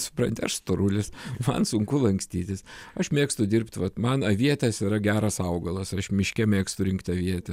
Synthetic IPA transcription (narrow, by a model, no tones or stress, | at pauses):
sʊpɾɐnʲt̪ʲɪɐʃst̪oɾulʲɪsmɐ̰nsʊŋkʊlˠɐŋksʲt̪ʲiːt̪ʲɪsɐʃmʲeːkst̪ʊd̪ʲɪrʲpʲt̪ʲʋɐt̪mɐnɐʋʲiɛt̪ʲɛsɪɾɐɡʲæːɾɐsɐʊɡɐlˠɐsɐʃmʲɪʃʲkʲɛmʲeːkst̪ʊɾʲɪŋkt̪ʲɐʋʲiɛt̪ʲɛ